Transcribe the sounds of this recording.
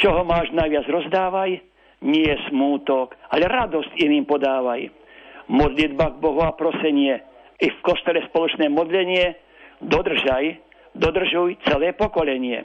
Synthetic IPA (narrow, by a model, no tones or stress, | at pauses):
t͡ʃɔɦɔmaːʒnajʋɪad͡zɾɔzd̪aːʋaj | ɲɪɛɛsmuːt̪ɔkalɛɾad̪ɔscimimpɔd̪aːʋaj | mɔd̪lid̪baɡ̚bɔɦuapɾɔsɛɲɪɛ | ifkɔst̪ɔlɛspɔlɔt͡ʃnɛːmɔd̪ʎɛɲɪɛ | d̪ɔd̪r̩ʒaj | d̪ɔd̪r̩ʒujt͡sɛlɛːpɔkɔlɛɲɪɛ̰